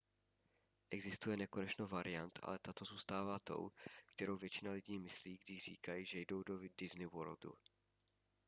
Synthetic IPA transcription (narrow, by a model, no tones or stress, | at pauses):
ʔɛɡzɪst̪ujɛnɛkonɛt͡ʃnowvaɾʔɪjant̪ʔa̰lɛt̪at̪o̞zuːst̪aːvaːt̪o̞̰wkt̪ɛɾo̞wvjɛt͡ʃɪnalɪɟiːmɪsliːɡdɪʒr̝̥iːkajiʒɛjdo̞wdodɪznɪwo̰ɾld̪ṵ